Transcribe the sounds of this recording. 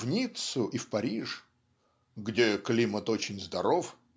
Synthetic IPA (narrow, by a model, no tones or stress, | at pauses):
vnʲit̪sʊʔifpɐɾʲiʐ | ɡdʲeklʲimət̪o̞t͡ɕɪnʲzd̪ɐɾof